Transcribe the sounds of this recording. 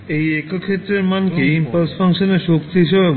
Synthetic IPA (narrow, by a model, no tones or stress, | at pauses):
ejekokʰet̪ːɾeɾmankeimpaɾsfʰaŋʃoneɾʃokt̪iɦiʃ̬ebe